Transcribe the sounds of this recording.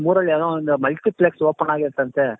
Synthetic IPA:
muːɾɐɭjaːðɐ̃ɪnd̪ɐmɐlʈ̪ɪplɛksoːpːɐnaːɣɪɾɯt̪ːãːnsaːɾ

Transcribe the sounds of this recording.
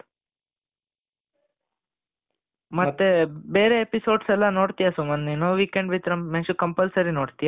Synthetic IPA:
mɐt̪ːebeːɾeːpisoːɖsɛlːɐnoːɽt̪ijasumɐnːinoʋikeɳɖʋit̪ɾɐmːensukɐmpɐlsɐɾinoːɽt̪ija

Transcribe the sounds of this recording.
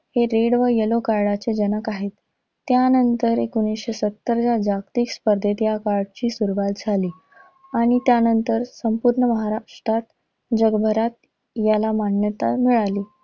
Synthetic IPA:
heɾeɽʋəjəlokaɾɽat͡sed͡ʑənəkaɦet̪ː | janənt̪əɾekunisɕesət̪ːəɾd͡ʑad͡ʑakt̪iːkspəɾd̪ʱet̪jakaɾɖt͡ɕiːsuɾʋat̪̚d͡zʱaliː | aɽ̃it̪janənt̪əɾsəmpuɾɳəməɦaɾaʂʈɾat̪ | d͡ʑəɡbʱəɾat̪ | jalamaɳjət̪a̰miɭaliː

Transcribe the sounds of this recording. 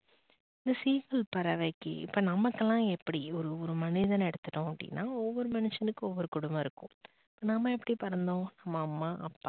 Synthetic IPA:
ɪnd̪ɐsiːkɐlpɐɾɐʋɐɪkːɯ̰ɪ̰pːoːnɐmɐkːɛlːãːɛpːɐɽiɔɾɯɔɾɯmɐnɪðɐnɛɽɯt̪ːɯʈːõɐp̚ɽɪ̰nːaːɔʋːɔɾɯmɐnɯʂɐnɯkːɯɔʋːɔɾɯkʊɽʊmbɐ̃ɪɾɯkːʊ̃ | ɪpːoːnɐmːɐɛpːɐɽipɐɾɐnd̪õːnɐmːɐːmːaːʔɐpːaː

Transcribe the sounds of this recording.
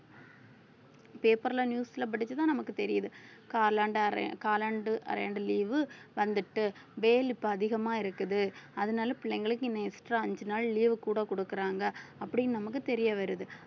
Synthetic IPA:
peːpɐɾlɐnjuːsɪlɐp̬ɐɽɪt͡ʃːɯt̪ãːnɐmɐkːɯt̪ɛɾɪjɐðɯ | kaːlaːɳɖɾ̰kaːlɐɳɖɯʔɐ̰ɾɐ̰ɳɖɯliːʋɯʋɐnd̪ɯʈːɯʋeːlɪpːoɐðɪɣɐmaːɪɾɯkːɯðɯɐðɐnaːlɐpɪɭːɐɪŋɡɐɭɯkːɯɪnːɐɪsʈɾaːɐɲd͡ʒɯnaːɭliːʋɯkːuːɽɐkɔɽɯkːɯɾaːŋɡɐːpːɐɽɪnnɐmɐk̬ːɯt̪ɛɾɪjɐʋɐɾɯðɯ

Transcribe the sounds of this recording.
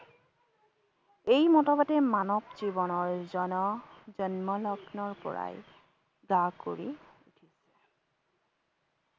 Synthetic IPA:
ejmɔtɔbatɛmanɔbzibɔnɔɹzɔnɔzɔnmɔlɔɡnɔɹpɔ̰ɹa̰j | ɡakoɹiutʰisɛ

